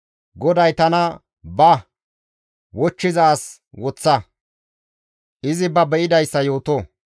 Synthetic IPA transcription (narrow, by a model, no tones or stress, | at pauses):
ɡɔd̪ɐjt̪ɐnɐ | bɐ | wɔt͡ʃːɪzɐːs | wɔt͡sːɐ | ʔɪzɪbɐbɛʔɪd̪ɐjsːɐjo̞ːt̪oː